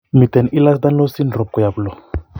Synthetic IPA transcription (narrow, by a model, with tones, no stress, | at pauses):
mi˨t̪ɛ˨ni˦la˦s̬d̪a˦nlo˦si˦nrɔ˨p̚kɔ˨ja˨bulɔ˨